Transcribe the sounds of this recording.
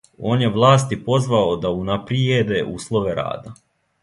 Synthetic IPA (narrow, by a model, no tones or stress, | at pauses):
o̞ːnjeʋlˠaːst̪ipo̞zʋaod̪aunapɾied̪e̞ʔuːslˠo̞ʋe̞ɾa̰ːd̪a